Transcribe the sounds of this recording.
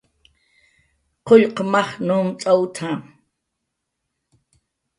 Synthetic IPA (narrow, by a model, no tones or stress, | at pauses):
qoʎqmɑχnuːmt͡sʼawt̪ʰam